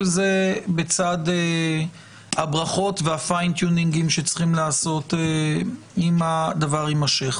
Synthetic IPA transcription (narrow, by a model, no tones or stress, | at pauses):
lzebet͡sad̪e | habʁaχo̞tveafajnt̪juniŋɡimʃet͡sχimlaːso̞t̪e | imad̪avaʁimaʃeχ